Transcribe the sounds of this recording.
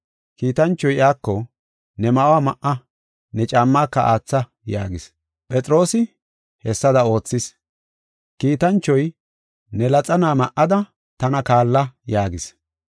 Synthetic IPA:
kiːt̪ɐnt͡ʃːɔjɪaːkːɔ | nɛmɐʔwaːmɐʔɐ | nɛt͡ʃʼaːmːaːkːɐʔaːt͡sːɐ | jaːɡɪs | pʼɛt͡sʼɾo̞ːsɪ | hɛsːɐd̪ɐo̞ːt͡sːɪs | kiːt̪ɐnt͡ʃːɔj | nɛlɐt͡sʼɐnaːmɐʔɐd̪ɐ | t̪ɐnɐkaːlːɐjaːɡɪs

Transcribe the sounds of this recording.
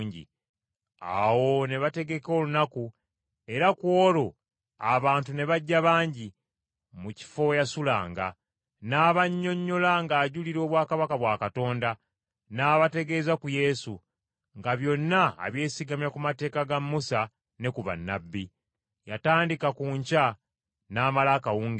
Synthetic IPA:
ɲɟḭ | a̰wo̞ne̞βate̞ɡe̞ko̞ːlunaku | e̞ɾakwo̞ːɾo̞ | aβaːntune̞βaɟːaβaːɲɟi | muci̥fo̞jasula̰ːŋɡa̰ | naːβaɲːo̞ɲːo̞laŋɡaːɟuliɾo̞ːβwaːkaβakaβwaːkato̞ːnda | naːβate̞ɡe̞zakuje̞su | ŋɡaβjo̞nːa̰ːβje̞ːsiɡamjakumate̞ːkaɡamːusa | ne̞kuβa̰nːa̰bːi | jataːndikakuːɲca | naːmalakawuːŋɡi

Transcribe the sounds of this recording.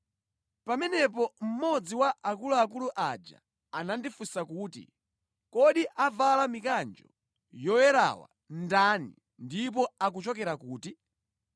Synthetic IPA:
pamɛnɛp̬ɔm̩mɔd͡ziwaʔakuluak̬uluʔad͡ʒa̰ | anandifusakuːtḭ | kɔɗiʔavalamikand͡ʒɔ̰ | jɔwɛɾa̰wa̰ | ndanḭ | ndip̬ɔak̬ut͡ʃɔkɛɾakuːti

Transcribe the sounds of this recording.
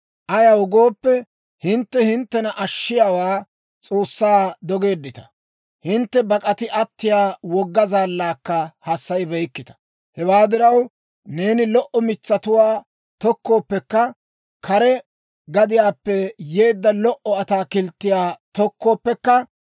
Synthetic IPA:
ʔɐjɐwʊɡo̞ːpːɛ | hɪnt̪ːɛhɪnt̪ːɛnɐʔɐʃːɪjaːwaː | t͡sʼo̞ːsːaːd̪ɔɡe̞ːd̪ːɪt̪ɐ̥ | hɪnt̪ːɛbɐkʼɐt̪ɪʔɐt̪ːɪjaːwɔɡːɐzaːlːaːkːɐhɐsːɐjbɛjkːɪt̪ɐ̥ | hɛwaːd̪ɪɾɐw | ne̞ːnɪlɔʔɔmɪt͡sːɐt̪ʊwaː | t̪ɔkːoːpːɛkːɐ | kʰɐɾɛ | ɡɐd̪ɪjaːpːɛje̞ːd̪ːɐlɔʔɔɐt̪aːkɪlt̪ːɪjaːt̪ɔkʰːoːpːɛkːɐ

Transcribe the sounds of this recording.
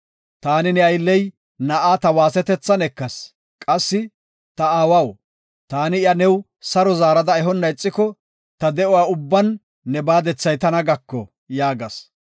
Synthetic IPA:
t̪aːnɪnɛɐjlːɛj | nɐʔaːt̪ɐwaːsɛt̪ɛt͡sːɐnɛkːɐs | kʼɐsːɪ | t̪ɐaːwɐw | t̪aːnɪɪjɐnɛw | sɐɾɔzaːɾɐd̪ɐɛɦɔnːɐɪt͡sʼːɪkɔ | t̪ɐd̪ɛʔɔwaːʊbːɐnː | ɛbaːd̪ɛt͡sːɐjt̪ɐnɐɡɐkːɔ | jaːɡɐs

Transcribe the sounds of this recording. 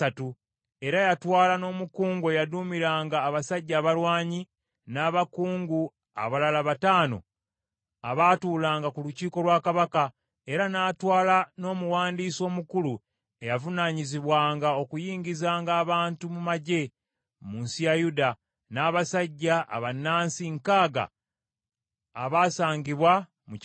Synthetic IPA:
atu | e̞ɾajatwaːlano̞ːmukuːŋɡuejaduːmiɾaːŋɡaːβasaɟːaːβalwaːɲi | naːβakuːŋɡu | a̰βalalaβataːno̞̰ | aβaːtuːlaːŋɡakuluciːko̞lwaːkaβaka | e̞ɾanaːtwaːlano̞ːmuwaːndiːso̞ːmukulu | e̞javunaɲiziβwaːŋɡao̞kujiːɲɟizaːŋɡaːβaːntumumaɟe̞ | munsijajuda | naːβasaɟːaʔːβanːaːnsiŋkaːɡa̰ | βaːsaːɲɡiβwa | mu

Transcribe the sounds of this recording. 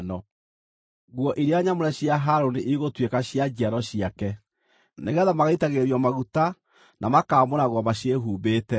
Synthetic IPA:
nɔ | ɣwɔʔiɾeaɲamoɾɛɕiaɦaɾoneʔiɣotwekaɕiad͡ʑiaɾɔɕiakɛ | neɣɛðamaɣaitaɣeɾjɔmaɣuta | nʔamakaːmonaɣwɔmaɕeɦuːbeːtɛ

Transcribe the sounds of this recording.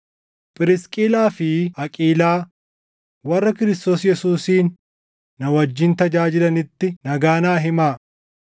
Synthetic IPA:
pʼɪɾɪskʼiːlaːfɪɐkʼiːlaː | wɐrːɐkɪɾɪst̪o̞ːsjɛsuːsiːnː | ɐwɐd͡ʒːɪnt̪ɐd͡ʒaːd͡ʒɪlɐnɪt̪ːɪnɐɡaːnaːɦɪmaː

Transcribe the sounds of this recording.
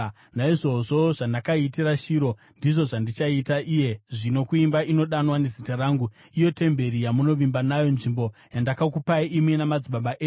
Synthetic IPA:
naiʐo̞ʐoʐandakaitiraʃiɾo̞ | ndiʐo̞ʐandit͡ʃaitaʔije̞ʐino̞kuimbaino̞ɗanwane̞zitaɾaːŋɡu | ijo̞te̞mbe̞ɾijamuno̞ʋimbanajo̞nʐimbo̞jandakakupaiʔimwenamad͡ziɓaɓaʔe

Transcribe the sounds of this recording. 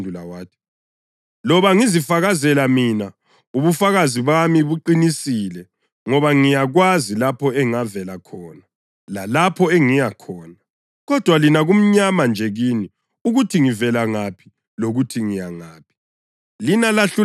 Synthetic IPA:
dʱulawaːtʰi̥ | lɔβaŋizifaɣazɛlamina | uβufaɣaziβamiβuǃinisilɛ | ŋɔβaŋijaɣwazilapʰɔɛŋavɛlakʰɔːna | lalapʰɔɛŋijakʰɔːna | ɣɔd̥ʱwalinaɣum̩ɲamand͡ʒʱɛɣini | uɣutʰiŋivɛlaŋapʰi̥ | loɣutʰiŋijaŋaːpʰi̥ | linalaɬu

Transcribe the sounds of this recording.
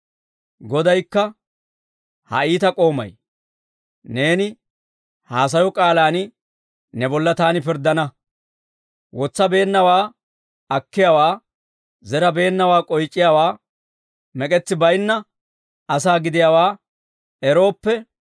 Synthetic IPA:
ɡɔd̪ɐjkːɐ | hɐ̰iːt̪ɐkʼo̞ːmɐ̰j | ne̞ːnɪ | haːs̬ɐjɔkʼaːlaːnɪ | nɛbɔlːɐt̪aːnɪpɪɾd̪ɐnɐ | wɔt͡sːɐbe̞ːnːɐwaː | ɐkːɪjawaː | zɛɾɐbe̞ːnːɐwaːkʼɔjt͡ʃʼːɪjawaː | mɛkʼɛt͡sːɪbɐjnːɐ | ɐs̬aːɡɪd̪ɪjawaː | ɛɾo̞ːpːɛ

